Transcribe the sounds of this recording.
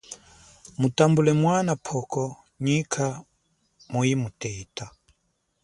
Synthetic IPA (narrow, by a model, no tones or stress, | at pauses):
mutambulɛmwanapʰɔkɔ | ɲikʰa | muimutɛita